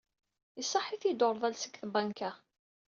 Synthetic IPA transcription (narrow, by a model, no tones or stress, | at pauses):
isˤːɑħiθjid̪ʊɾˤðˤælsə̥ɡθbæŋkæ